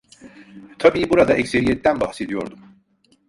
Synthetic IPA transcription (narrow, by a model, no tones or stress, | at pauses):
t̪ʰabiːbuɾad̪aʔɛcse̞ɾijɛt̪ːænbahse̞d̪ijo̞̰ɾd̪um